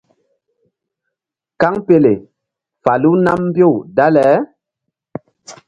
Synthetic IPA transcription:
ka˦ŋpe˨le˨ | fa˨lu˦na˦mm˦bjo˦˨wda˦lɛ˨˦

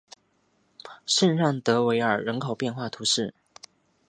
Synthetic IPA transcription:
ʂə˥˧nɻɑ˥˩ŋt̪ɤ˧˥we˧˥ɪə˞˨˩ɻə˧˥nkʰo˨˩ʊpjɛ˥˧nxwa˥˩t̪ʰu˧˥ʂɻ̩˥˩

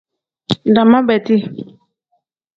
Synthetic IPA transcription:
da˨mã˦bɛ˨ti˦

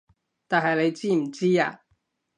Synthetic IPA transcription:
t̪aː˨nɦɐ˨jle˨˧jt͡siː˥m̩˨˩t͡siː˥a̰ː˧

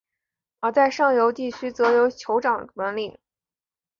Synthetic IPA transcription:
ə˧˩t͡sa˥˧ɪʂɑ˥˩ŋjo˧˥ʊt̪i˥˩t͡ɕʰy˥t͡sɤ˧˥jo˧˥ʊt͡ɕʰjo˧˥ʊʈ͡ʂɑ˨˩ŋnə˧˥nli˥˩

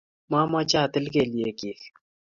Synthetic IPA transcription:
ma˦mat͡ʃaː˨t̪ɪ˦lke˨lije˨kiː˨x

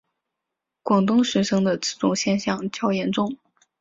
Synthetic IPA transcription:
kwɑ˨˩ŋt̪ʊ˥ŋʂɻ̩˧˥ʂɤ˥ŋd̪ə˨t͡sɹ̩˥˩t͡sʊ˧˥ŋɕjɛ˥˧nɕjɑ˥˩ŋt͡ɕjɑ˥ʊjɛ˧˥nʈ͡ʂʊ˥˩ŋ

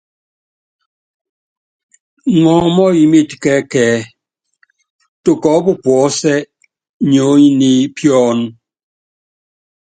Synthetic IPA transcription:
ŋɔ̃ː˨˦mɔ˦ji˨mi˦˨tkɛ˨˦kɛː˨˦ | to˨kɔ˨˦bu˦pwɔː˨˦sɛ˦ | ɲo˨˦i˦ni˦pjɔ˦n˦

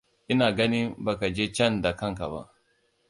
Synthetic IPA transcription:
ʔɪ˦naː˨ɡɐ˦ni˦ba˨ka˨d͡ʒeː˦t͡ʃɐ˦nda˨kɐ˦ŋka̰˨ba̰˦ʔ

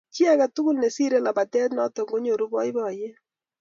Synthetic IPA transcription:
ki˦a˦ka˨tʊ˦kʊ˦lne˨si˦ɾe˦la˨ba˨tɛ˦tnɔ˦tɔ˨ŋɡo˦ɲo˨ɾu˦bɔ˦jbɔ˨je˦

